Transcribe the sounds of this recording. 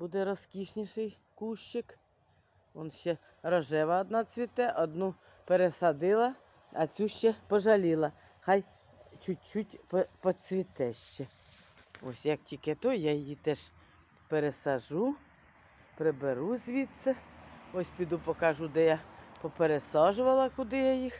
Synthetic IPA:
bud̪ɛɾɔskʲiʃnʲiʃɪj | kuʃt͡ʃɪk | ɔnʃt͡ʃɛ | ɾɔʒɛʋɐɔd̪nat͡sʲʋʲit̪ɛʔɔd̪nu | peɾesɐd̪ɪlˠɐ | ɐt͡sʲuʃt͡ʃɛpɔʒɐlʲilˠɐ | xɑj | t͡ʃʊt͡ʃːutʲppɔt͡sʲʋʲit̪ɛʃt͡ʃɛ | ɔ̰sʲjɐk̚tʲikɛt̪ɔjajjit̪ɛʃ | peɾesɐʒu | pɾebeɾuzʲʋʲit̪sʲɛɔsʲpʲid̪upɔkaʒud̪ɛjapɔpeɾesɑʒʊʋɐlˠɐkʊd̪ɪjajix

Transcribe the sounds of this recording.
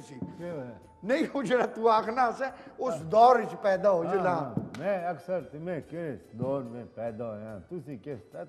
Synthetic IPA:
siː | nəĩːɦoːd͡ʒeːɾaːt̪uːaːkʰnaːsɛːʊsd̪ɔːɾɪt͡ʃpɛːd̪aːɦoːd͡ʒəd̪aːmɛ̃ːəksəɾt̪mẽːkesd̪ɔːɾmẽːpɛːd̪aːɦojãːt̪ʊsĩːkest̪ɛː

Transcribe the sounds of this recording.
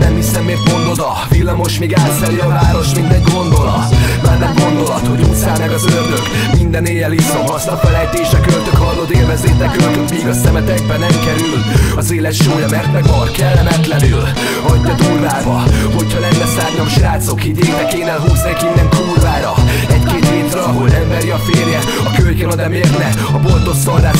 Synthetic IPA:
nɛmhisɛmːeːrt̪mo̞nd̪o̞d̪ɒ | vilːɒmo̞ʃmiːɡaːt̪sɛliɒvaːɾo̞ʃmind̪ɛɟɡo̞nd̪o̞lɒ̰t̪maːrnɛmɡo̞nd̪o̞lɒt̪ho̞ɟuːsaːlmɛɡɒzørløk | mind̪ɛneːjɛlizomɒsnɒpɒlɛjt̪eːʃɛkølt̪økhɒlnod̪eːlvɛzeːt̪ɛkøkømmiːɡɒsɛmɛt̪ɛɡ̚bɛnɛmkɛɾylɒzeːlɛt̪ʃoːjɒmɛrt̪nɛɡɒrkɛlːɛmɛt̪lɛnyl | ɒɟːɒd̪uːrvaːbɒho̞chɒlɛnd̪ɛsaːɾɲɒmʃraːt̪so̞kiːɟeːnɛkeːnelɦuːznekmind̪ɛŋkuːrvaːɾɒ | ɛɟkeːt̪heːt̪ɾɛɒɦo̞lɛlmɛɾiɒfeːrjɛ | ɒkølɡɛnɒd̪ɛmeːrnɛ | ɒbolt̪ost̪ɒrd̪aːʃ

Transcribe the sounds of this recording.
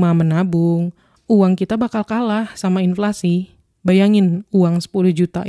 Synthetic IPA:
mamənabʊŋ | uwaŋkit̪abakalkalahsamainflasi | bajaŋɪnuaŋsə̥pulʊhd͡ʒut̪a̰

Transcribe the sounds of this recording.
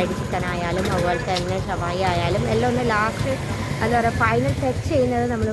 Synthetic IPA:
ɐɽit͡ɕːik̪ːɐːnaːjaːlumɐʋʋɐɭt̪ːɐnːesɐbaːjiaːjaːlumelːoonːɨlaːsʈɨ | ɐðɐɐɾɐfɐjnɐlʈekst͡ɕe̞jːunːɐðɨnɐmːɐɭ

